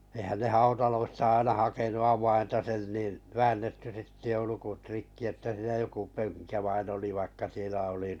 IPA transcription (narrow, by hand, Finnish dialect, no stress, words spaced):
ehæn ne hɑutɑloistɑ ɑinɑ hɑkenu ɑwɑintɑ sen nin ʋæːnːetːy sitːe jo lukut rikːi etːæ siːnæ joku pøŋkæ ʋɑin oli ʋɑikːɑ sielæ oli